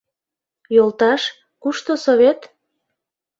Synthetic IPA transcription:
jolˠt̪ɑʃ | kuʃt̪osoβet̪

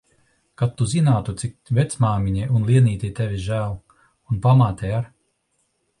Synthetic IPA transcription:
kat̪ːuzinaːt̪ut̪sik̚vet̪smaːmiɲiunlˠiɛniːt̪ʲit̪evʲiʒæːlˠ | unpamaːt̪ʲɛjaɾ

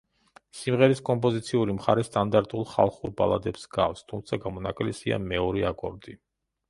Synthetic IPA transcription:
simʁɛɾiskʼɔmpʼɔzit̪sʰiuɾimχaɾɛst̪ʼand̪aɾt̪ʼulˠχa̰lˠχuɾba̰lˠad̪ɛpsɡafst̪ʰumt̪sʰaɡamɔnakʼlɛsia̰mɛɔɾiakʼɔɾd̪i

